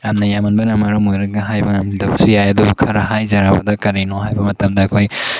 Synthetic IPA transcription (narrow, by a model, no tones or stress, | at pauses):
jamnɐjamɐnbɐnɐmɐɾumojɾɐɡɐɦajbɐŋamdɐbsijajɐdubukʰɐɾɐɦajzɐɾabɐ̰dɐkɐɾinoɦajbɐmɐtɐmdɐːkʰoj